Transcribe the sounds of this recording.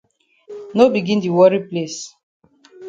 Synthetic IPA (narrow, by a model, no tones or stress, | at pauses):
nobiɡĩndiwɔɹiples